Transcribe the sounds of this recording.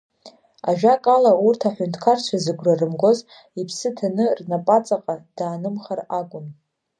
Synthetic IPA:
aʒᶣakʼalaurtʰaħʷᶣʊntʰkʰart͡ʃʷʰazɨɡʷrarɨmɡʷoz | ipʰsɨtʰanɨrnapʼat͡sʼaqʼad̥aːnɨmχaraɡʷʼʊn

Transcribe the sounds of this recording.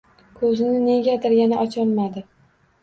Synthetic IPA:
kʰɵzɪnɪne̞ɡʲad̪ɪɾjʲanaʔɒt͡ʃʰɒnmad̪ɪ

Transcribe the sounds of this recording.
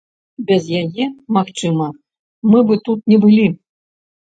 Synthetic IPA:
bʲɛzjajɛmaxt͡ʂɨmɐ | mɨbɨt̪ut̪̚nʲɛbɨlʲi

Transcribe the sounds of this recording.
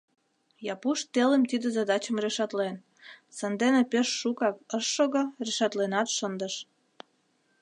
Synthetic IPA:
jɑpuʃt̪elemt̪id̪ezɑd̪ɑt͡ɕəmreʃɑt̪len | sənd̪enepeʃːukɑkəʃːoɣŏreʃɑt̪lenɑt̪ʃənd̪ə̆ʃ

